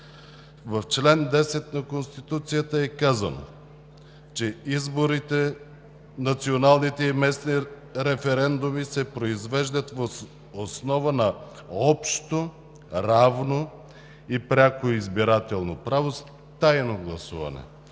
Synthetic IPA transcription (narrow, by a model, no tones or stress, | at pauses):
vɐft͡ʃlɛnd̪ɛsɛt̪nɐkonst̪it̪ut̪sijət̪əɛkazɐ̰no̰ | t͡ʃɛizboɾit̪ɛ | nɐt̪sionalˠnit̪ɛimɛsni | ɾɛfɛɾɛnd̪umisɛpɾoizvɛʒd̪ət̪vo | osnɔvənɐ | ɔpʃt̪o | ɾavno | ipɾʲakoizbiɾat̪ɛlˠnopɾavos | t̪ajnoɡlˠɐsuvɐ̰nɛ̰